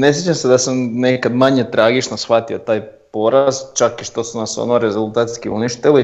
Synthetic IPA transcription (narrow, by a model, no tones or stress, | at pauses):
ne̞s̬jet͡ʃamsed̪asamnekad̪maɲet̪ɾaːɡit͡ʃnosxʋat̪iot̪aːj | po̞ɾast͡ʃakiʃt̪o̞sunaso̰noɾe̞zulˠt̪aːt̪skiṵniʃt̪ili